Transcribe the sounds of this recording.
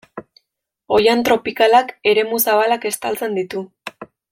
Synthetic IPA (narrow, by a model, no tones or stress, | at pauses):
o̞jant̪ɾo̞pikalake̞ɾe̞musaβalake̞st̪alt͡se̞nd̪it̪u